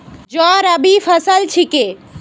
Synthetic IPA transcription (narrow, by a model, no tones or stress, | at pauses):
d͡ʒɔɾəbifʰəsəlt͡ʃʰike